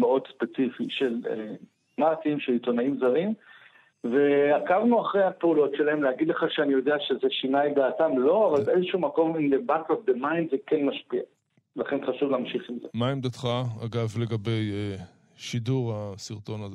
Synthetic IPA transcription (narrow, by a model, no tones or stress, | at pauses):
meo̞d̪spe̞t͡sifiʃe̞lḛ | mat̪iimʃelit̪o̞naimzaʁim | ve̞akavnuaχʁejhapeulo̞tʃelahe̞mlehaɡid̪le̞χaʃeanijo̞d̪eaʃe̞ze̞ʃinajd̪aːtamlo̞avalbeezeʃuumako̞mimlebakabe̞mainzekenmaʃpia | laχe̞nχaʃuvleamʃiχimzemaimd̪at̪χaaɡavleɡabe̞je | ʃid̪uʁasiʁt̪o̞naz